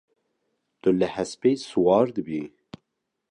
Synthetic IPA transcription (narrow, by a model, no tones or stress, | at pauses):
t̪ʊləhɛspejsuwɑːɾd̪ɨbi